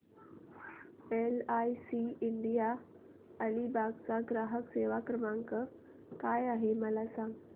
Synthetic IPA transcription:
elajsiiɳɖija | əɽibaɡt͡saɡɾaɦəkseʋakɾəmaŋkə | kajaɦeməlasãŋɡ

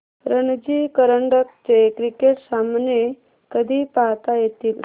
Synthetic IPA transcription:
ɾənd͡ʑikəɾəɳɖək̚t͡ɕekɾikeʈsamne | kəd̪ʱiːpaɦt̪ajet̪iːl

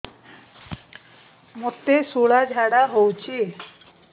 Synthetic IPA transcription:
mot̪esuɭad͡ʑʱaɽaɦowt͡ɕe

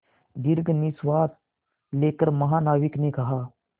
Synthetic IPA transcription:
d̪ɪɾɡnɪswaːt̪̚ | leːkəɾmɐɦaːnaːʋɪknekɐɦaː

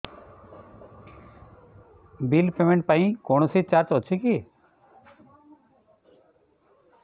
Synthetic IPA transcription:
bilpemeɳʈ̚paĩkoɳ̃ɔsit͡ʃaɾt͡ʃɔt͡ʃʰiki

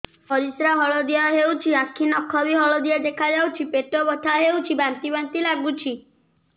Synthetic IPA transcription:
ɔɾisɾaɦɔɭɔd̪ijaɦewt͡ʃʰiãkʰːinɔkʰːɔbiɦɔɭɔd̪ijad̪ekʰad͡ʒawt͡ʃʰipeʈobɔʈʰaɦewt͡ʃʰibant̪ibant̪ilaɡut͡ʃʰi

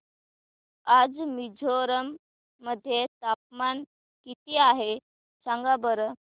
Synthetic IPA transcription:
ad͡zmid͡ʑʱoɾəmː | əd̪ʱːjet̪ap̚man | kit̪iaɦe | t͡ɕaŋɡabəɾə

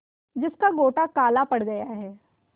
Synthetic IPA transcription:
d͡ʒɪskaɡoːʈakaːlapɐɽɡɐjaɦɛː

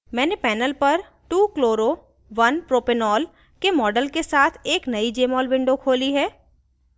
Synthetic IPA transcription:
mɛ̃ːnepɛːnəlpɐɾ | ʈuːkloːɾo | ʋɐnpɾoːpɪnɔːl | kemɔːɖəlkesaːt̪ʰeːknɐid͡ʒeːmɔːlʋɪ̃ɳɖokʰoːliɦɛː

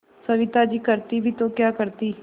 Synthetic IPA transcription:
səʋɪt̪aːd͡ʒiːkəɾt̪iːbʱiːt̪õːkjaːkəɾt̪iː

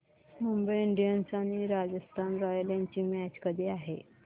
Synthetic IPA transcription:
mumbəjiɳɖijənsaɽ̃iɾad͡zəst̪ʰanɾɔjaljãɲt͡ɕiːmæt͡ɕkəd̪ʱiːaɦe

